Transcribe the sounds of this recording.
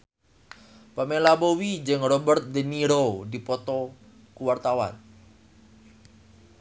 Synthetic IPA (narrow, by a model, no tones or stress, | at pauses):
pamelabowid͡ʒəŋrɔbərt̪̚dəniɾodipɔt̪ɔ | kuwart̪awa̰n